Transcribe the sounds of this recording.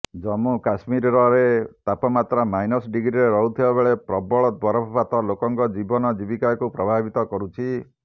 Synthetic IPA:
d͡ʒɔmukasmiɾɔɾɔɾet̪apɔmat̪ɾamajnɔsɖiɡɾiɾeɾɔɦut̪ʰibabeɭepɾɔbɔɭɔt̪̚bɔɾɔbʱɔpat̪ɔlokɔŋkɔd͡ʒibɔnɔd͡ʒibikajɔkupɾɔbʱabit̪ɔkɔɾut͡ʃʰi

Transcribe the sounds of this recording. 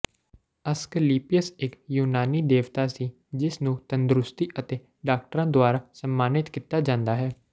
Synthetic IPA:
əskəliːpɪjəsɪkjuːnaːniːd̪eːʋt̪aːsiː | d͡ʒɪsnũːt̪ənd̪ɾʊst̪iːʔət̪eː | ɖaːk̚ʈəɾãːd̪ʊaːɾaːsəmːaːnɪt̪kiːt̪ːaːd͡ʒãːnd̪aːɦɛː

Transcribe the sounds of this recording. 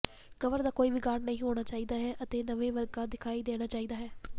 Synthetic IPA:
kəʋəɾd̪aːkoːiːbiːɡaːɽnəɦĩːɦoːɽ̃aːt͡ʃaːiːd̪aːɦɛːʔət̪eːnəʋẽːʋəɾɡaːd̪ɪkʰaːiːd̪eːɽ̃aːt͡ʃaːiːd̪aːɦɛː

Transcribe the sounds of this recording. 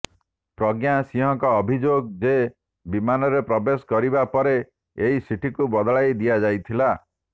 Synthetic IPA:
pɾɔɡjasiɦɔŋkɔːbʱid͡ʒoɡd͡ʒe | bimanɔɾepɾɔbeskɔɾibapɔɾe | eɦisiʈikubɔd̪ɔɭajd̪ijad͡ʒajt̪ʰila

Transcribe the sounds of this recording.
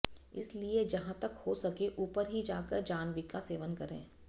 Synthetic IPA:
ɪ̰slied͡ʒɐɦãt̪ɐkhosɐkeʔuːpəɾɦid͡ʒaːkəɾd͡ʒaːnʋikaseːʋənkɐɾḛ̃ː

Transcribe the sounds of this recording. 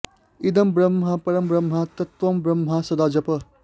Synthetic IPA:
id̪ɐmbɾɐmɦɐpɐɾɐmbɾɐmɦɐt̪ɐt̪ʋɐmbɾɐmɦɐsɐd̪aːd͡ʒɐpɐ

